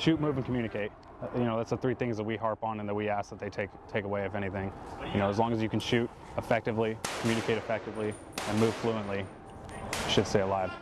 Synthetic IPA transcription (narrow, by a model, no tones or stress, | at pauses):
ʃʉt̚mʉṽn̩kʰmjʉñɨkʰeɪt̚ | jɨnoʊðætsðəθɹiθɪ̃ŋzðət̚wiɦɑɹpn̩ɨ̃nðət̚wiæsðət̪̚ðeɪtʰeɪktʰeɪkəweɪʌvɛɾ̃iθɪ̃ŋjɨnoʊəzlɔ̃ŋɨzjɨkʰn̩ʃʉɾ | əfɛk̚tɨvlikʰmjʉnɨkʰeɪɾɨfɛk̚tɨvli | ɨ̃nmʉv̥fluə̃nʔli | ʃɨd̥steɪəlaɪv̥